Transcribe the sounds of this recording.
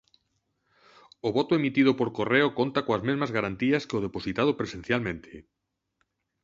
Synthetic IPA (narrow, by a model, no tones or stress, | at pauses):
oβot̪oemit̪ið̞opoɾkoreokont̪akõazmezmazɣaɾant̪iaskeoð̞eposit̪að̞opɾesen̟θjalmẽnt̪ʰe